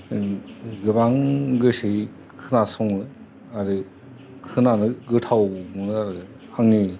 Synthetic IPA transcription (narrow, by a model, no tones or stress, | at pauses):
ɡɯbaŋɡɯsɯ | kʰɯnasɔŋnɯ | aɾɯ | kʰɯnanɯɡɯtʰawmunaɾ | haŋni